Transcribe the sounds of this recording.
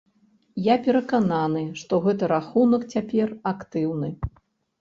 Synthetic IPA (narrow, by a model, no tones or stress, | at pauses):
japʲɛɾɐkananɨʂt̪ɔɣɛt̪ɨɾaxunɐkt͡sʲapʲɛrakt̪ɨwnɨ